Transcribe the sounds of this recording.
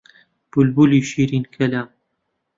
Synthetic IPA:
b̥ulbuliːʃiːɾinkʰɐlaːm

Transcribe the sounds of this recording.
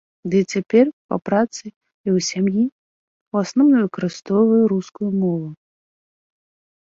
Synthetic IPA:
d̪ɨt͡sʲapʲɛrpɐ̰pɾat̪sɨ | iwsʲamji | wasnɔwnɔvɨkɐɾɨst̪ɔwvɐjuɾuskujumɔvu

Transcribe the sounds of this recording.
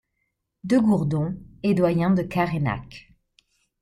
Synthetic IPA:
d̪øɡuʁd̪ɔ̃ed̪wajɛ̃d̪əkaʁena̰k

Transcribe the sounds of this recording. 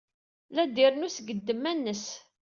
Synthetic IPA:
læd̪ɪɾnusɡəd̪ːəmːænːəs

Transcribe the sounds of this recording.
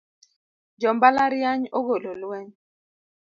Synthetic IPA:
d͡ʒɔmbalaɾjjaɲoɣololwɛɲ

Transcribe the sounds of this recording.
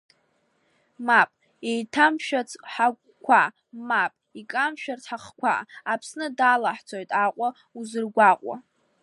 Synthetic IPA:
mapʼ | ejtʰamʃᶣat͡sʰʼħak̚ʷʼkʷʰa | mapʼikʼamʃᶣart͡sʰħaχkʷʰa̰ːpʰsnɨdalaħt͡sʰojtʼaqʷʼa | uzɨrɡʷaqʷʼa̰

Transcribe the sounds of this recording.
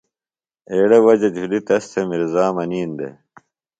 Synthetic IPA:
eːɽɐwɐd͡ʑɐd͡ʑʱulit̪ɐst̪ʰemiɾzaːmɐniːnd̪ḛ

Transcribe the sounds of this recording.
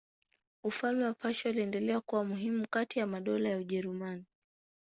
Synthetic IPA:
ufalmɛwapaʃauliɛndɛlɛakuwamuɦimukatijamaɗɔlajauʄɛɾumani

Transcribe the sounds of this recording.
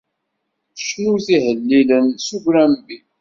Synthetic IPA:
ʃɾuwθihəlːilənsuʝɾæmbi

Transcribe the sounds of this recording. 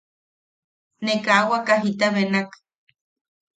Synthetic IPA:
nekaːwakaɦit̪aβenak

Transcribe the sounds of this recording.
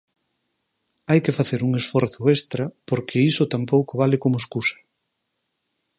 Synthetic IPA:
ajkɪfaθeɾuŋesfɔɾθʊest̪ɾapoɾkʰɪisot̪ampowkoβalɪkomoeskusɐ̥

